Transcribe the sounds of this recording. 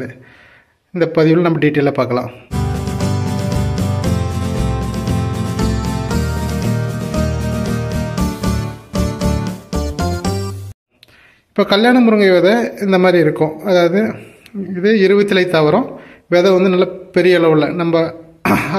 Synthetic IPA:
ðɯ | ɪnd̪ɐpɐðɪjɯlnɐmːɐɖiːʈːilɐpaːɾkɐla̰ː | ɪpːoːkɐljaːɳɐmʊɾɯŋɡɐɪʋɐðɛɪnd̪ɐmaːd̪ɾiɪɾɯkːʊ̃ɐðaːʋɐðɯ | ɪðɯɪɾɯʋɐt̪ːɪlɐɪt̪ːɐʋɐɾõʋeːðɐʋɐnd̪ɯnɐlːɐpɛɾɪjɐɪɭɐʋɯlːɐnɐmbɐ

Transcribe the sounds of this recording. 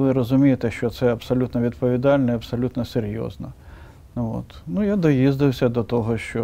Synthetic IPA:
ʋɪɾɔzʊmʲijet̪ɛʃt͡ʃɔt̪sɛɐbsɔlʲut̪nɔʋʲid̪pɔʋʲid̪ɑlʲnɔiɐbsɔlʲut̪nɔseɾʲjɔ̰znɐ | o̰t̪nujad̪ɔjizd̪ɪwsʲɐd̪ɔt̪ɔɦɔʃt͡ʃɔ

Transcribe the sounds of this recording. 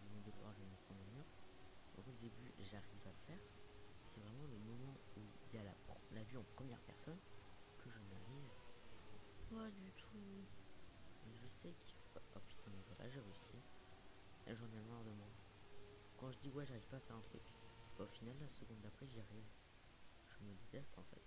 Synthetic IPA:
dəmɛ̃d̪ekɔ̰ʁaʒənəpχɔmənyʁd̪ɔ̰̃kləd̪ebyʒaʁivafɛːʁsɛvʁɛmɑ̃ləmɔmɑ̃uiljala̰lavyɑ̃pχəmjɛʁpɛ̰ʁsɔnkʰəʒəmaʁiv | pad̪yt̪ʰu | mɛʒəsɛkʰifɔpɥit̪ʰɛ̃mɛvwala̰ʒeʁeysi | ɛ̰ʒɑ̃nɛmɑ̃ləʁd̪əmɑ̃d̪ | kɑ̃ʒəd̪iwɛʒaʁiv̥paːfɛʁɛ̃t̪χy̰kʲbaofinalːasəɡɔ̃d̪apχɛʒiaʁiv | ʒ̥əməd̪et̪ɛst̪ɑ̰̃fɛ̰t̪

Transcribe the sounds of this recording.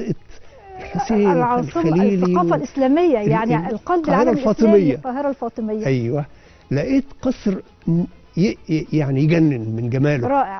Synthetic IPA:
ʔt̪ | lħɑsˤiːʕɑːsˤmæliːlːiɑːfælʔɪslæːmɪjːajaʕnilqɑd̪qːheɾˤɑlfɑːt̪ˤɨmɪjːaqɑːɦɪɾˤɑlfɑːt̪ˤɨmɪjːʔæjwæ | læʔiːt̪qɑsˤɾ | jjaʕnijɡænːɪnmɪnɡæmæːlɾˤɑːʔɪʕ

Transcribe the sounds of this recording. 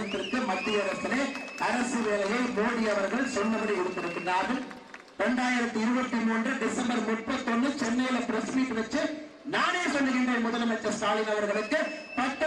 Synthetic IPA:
nd̪ɪɾɯkːɯmɐt̪ːɪjɐɾɐsɪleːɐɾɐsɯʋeːlɐjɐɪmoːɽiɐʋɐɾɣɐɭsɔnːɐʋɐɾɐɪɽɯt̪ːɪɾɯkːɪnːaːðɯm | ɾɛɳɖaːjɪɾɐt̪ːɯɪɾɯbɐt̪ːɯmuːndrɯɖɪsɐmbɐɾmʊʈ̚pːɐt̪ːɔnːɯt͡ʃɛnːɐjɪlɐpɪɾɐsmiːʈːɯʋɐt͡ʃːɯ | naːneːsɔnɖɯɣɪɳdrɐmʊðɐlɐmɐt͡ʃːɐst̪aːlɪnɐʋɐɾɣɐɭɯkːɯpɐʈːɐ

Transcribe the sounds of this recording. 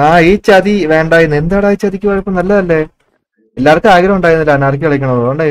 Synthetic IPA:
aːiːt͡ɕɐd̪iʋe̞ːɳɖaːjunːuend̪aːɽaːjit͡ɕːɐd̪ikʲːuʋaːɻipːomnɐlːɐðɐlːe̞ː | elːaːrkːɨaːɡɐɾɐmuɳɖaːjɾunːilːaːnaːrk̬ʲːiɐɭɐk̬ʲːɐɳɐmoɳɖaːj

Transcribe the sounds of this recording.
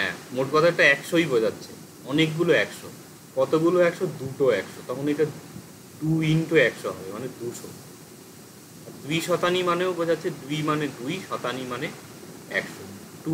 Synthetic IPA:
ɦɛ̰̃moʈkɔt̪ʰaeʈaɛkʃojbod͡ʑatːɕʰḛ | ɔnekɡuloɛkʃo | kɔt̪oɡuloɛkʃod̪uʈoɛkʃot̪ɔkʰonejʈa | d̪uinʈoɛkʃoɦɔ̰bemaned̪uʃo | aɾd̪uiʃɔt̪animaneobod͡ʑatːɕʰed̪ujmaned̪ujʃɔt̪animane | ɛ̰kʃoʈu

